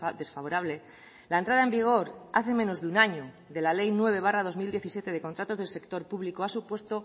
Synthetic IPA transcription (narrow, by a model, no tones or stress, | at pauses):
ðe̞sfaβo̞ɾaβle̞ | laent̪ɾaðaembiɣ̞o̞ɾa̰θe̞mẽ̞no̞zðeunaɲo | ðe̞lale̞jnwe̞β̞e̞β̞arað̞o̞zmild̪je̞θisje̞t̪e̞ð̞e̞kont̪ɾat̪o̞zðelse̞kt̪o̞ɾpuβlikoasupwe̞st̪o̞